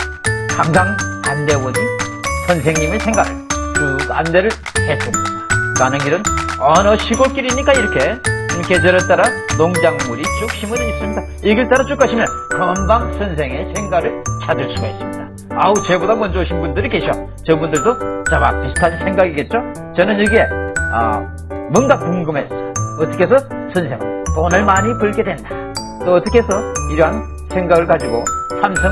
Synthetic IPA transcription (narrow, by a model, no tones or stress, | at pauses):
kʰaŋɡaŋande̞wʌnɯsʰʌnsʰe̞ŋɲimesʰe̞ŋɡaɾʰakɯandeɾɯɭ | kes͈ɯmɲidakanɯnɡiɾɯnʌnʌɕʰiɡok͈iɾiɲik͈aiɾʌkʰe̞kʰed͡ʑeɾɯt͈aɾanoŋd͡ʑaŋmuɾit͡ɕuk̚ɕʰimunɯnis͈ɯmɲida | iɡeɭt͈aɾat͡ɕuk͈aɕʰimjʌn | kʌmbaŋsʰʌnsʰeŋe̞sʰe̞ŋɡaɾɯɭt͡ɕʰadɯɭs͈uɡaes͈ɯmɲida | aut͡ɕe̞bodamʌnd͡ʑooɕʰinbundɯɾike̞ɕʰo | t͡ɕʌbundɯɭdot͡ɕama̰k̚pisʰu̥tʰasʰinsʰe̞ŋɡaɡiɡe̞t̚t͡ɕ͈o | t͡ɕʌnɯnjiɡe̞ʌ̰ | mʌnɡakuŋɡɯmɦes͈ʌʌt͈ʌkʰesʰʌsʰɯnsʰe̞ŋɯ̰ntonɯɭmaɲipɯɭɡe̞dwe̞nda | t͈oʌt͈ʌkʰe̞sʰʌiɾʌɦan | sʰe̞ŋɡaɡɯɭkad͡ʑiɡosʰamsʰʌ